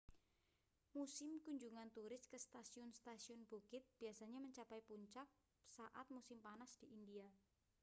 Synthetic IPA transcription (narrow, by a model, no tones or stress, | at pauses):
musɪmkuɲd͡ʒuŋant̪uɾɪskəst̪asiʊnst̪asiʊnb̥ukɪt̪̚b̥iasaɲaməɲt͡ʃapajpuɲt͡ʃak̚ | saʔat̪̚musɪmpanasd̥iʔindia